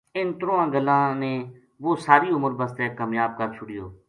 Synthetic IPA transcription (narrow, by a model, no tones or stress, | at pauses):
ɪnt̪ɾoːãːɡəlːãːnẽː | ʋoːsaːɾiːʊməɾbəst̪ɛːkaːmjaːb̚kəɾt͡ʃʰʊɽɪjoː